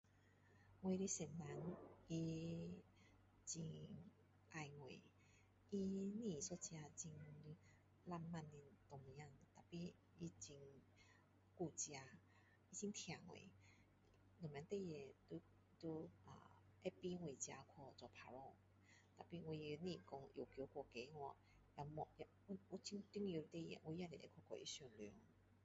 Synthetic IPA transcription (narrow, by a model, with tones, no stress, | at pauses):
ŋwe˧ɾi˧sɛ˨˩nna˨˦ni˧ | t͡ɕi˧ŋ | ʔa˧jŋwḛ˨ | i˧nĩ˧˨sɔ˧˦t͡ɕja˧t͡ɕi˧ŋ | la˥˧mːa˥˧˨nːi˧nt̪ɔ˨˧ŋ˧ja˧ŋt̪a˨˩pi˧ | i˧t͡ɕi˧ŋ | ku˧t͡ɕja˧ | i˦˧t͡ɕi˦ŋt̪ʰja˨˩ŋwḛ˨ | ŋ̩˨mjã˨˦t̪e˥˧˨je˨˩t̪u˧ | t̪u˧a̰˨˩ | e˦pi˦ŋwe˨˩t͡ɕja˧kʰɔ˧˩t͡sɔ˧˩pʰa˧lɔ˥˧˨ | t̪a˨˩pi˧ŋwi˧nĩ˧˨kɔ˧ŋjo˨˩kjo˨˧˦kwɔ˧ke˨˦ŋwɔ˧˨ | ja˧mɔ˧ja˧˦u˦t͡ɕi˧˦ŋt̪i˦ŋjo˧t̪e˥˧˨jɛ̰˨wi˧˦ja˧le˨ʔḛ˦kʰɔ˧kʰɔ̰˧˨ʔḭ˦ɕu˨˩nljɔ˨˧˦ŋ